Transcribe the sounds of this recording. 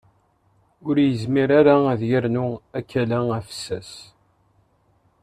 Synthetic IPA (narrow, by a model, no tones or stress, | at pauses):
ʊɾjəzmiɾaɾaæðjəɾnʊækːælææfə̥sːæs